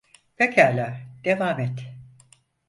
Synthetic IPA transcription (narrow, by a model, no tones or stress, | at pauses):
vecʰæːlʲad̪̥evaːmɛt̪